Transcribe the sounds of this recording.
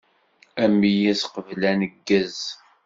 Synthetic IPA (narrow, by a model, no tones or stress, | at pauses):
æmːijæsqəvlænəɡːəz